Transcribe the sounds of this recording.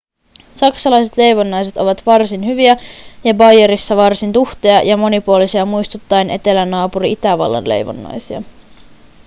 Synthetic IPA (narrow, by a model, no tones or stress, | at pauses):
sɑksɑlɑjse̞t̪le̞jʋonːɑjse̞t̪o̞ʋɑt̪ʋɑrsinɦyʋiæjɑbɑjeɾisːɑʋɑrsint̪uxt̪eɑjɑmo̞nipuolisiɑmujst̪ut̪ːɑjnʔe̞t̪e̞lænɑːpuɾiit̪æʋɑ̰lːɑ̰nle̞̰jʋo̰nːɑ̰jsiɑ̰